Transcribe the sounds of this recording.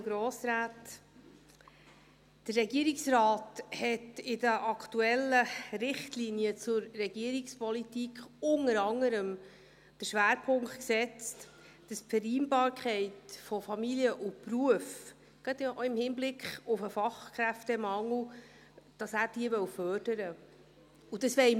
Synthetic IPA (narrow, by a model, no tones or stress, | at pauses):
ɡɾoːsɾæːt | d̥ərːɛɡiəɾiksrɑːthɛtɪdəʔɑktuɛlːəɾɪχtliniət͡sʊɾːɛɡ̥iəɾikspɔlitikχʊŋəɾɑŋːəɾəm | d̥əɾʃʋæːɾpʰʊŋktksɛt͡st | d̥əsfɛɾiːnbɑːɾkʰχɛɪtfɔfɑmiliəʔʊpruəf | ɡ̥ɑdɪmhɪnblɪkχʊfəfɑχkχɾæftɛmɑŋl̩ | d̥ɑsæːɾd̥iəvœwfœrd̥əɾə | udəsʋɛɪ